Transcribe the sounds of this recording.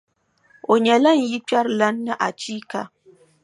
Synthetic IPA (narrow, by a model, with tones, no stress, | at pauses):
o˨ɲɛ˨la˦˨n̩˨˦ji˦k͡pa˦ɾla˦nː˦ɨ˦ʔa˨t͡ʃiː˦ka˨